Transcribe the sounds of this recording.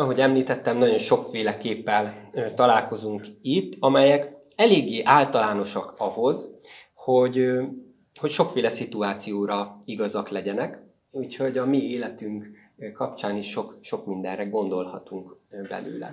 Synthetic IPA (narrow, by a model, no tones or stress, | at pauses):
ɒɦo̞ɟɛmliːt̪ɛt̪ːɛmnɒɟo̞nʃo̞kfeːlɛkeːpːɛlt̪ɒlaːlko̞zuŋkit̪ːɒmɛjɛk | ɛleːɡːeːʔaːlt̪ɒlaːno̞ʃɒkɒho̞z | ho̞ɟ | ho̞cʃo̞kfeːlɛsit̪uaːt̪sijoːɾɒiɡɒzɒklɛɟɛnɛk | uːcho̞ɟɒmieːlɛt̪yŋk | kɒpt͡ʃaːniʃːo̞kʃo̞kmind̪ɛ̰nrɛɡo̞nd̪o̞lhɒt̪uŋkbɛ̰lø̰ːlɛ̰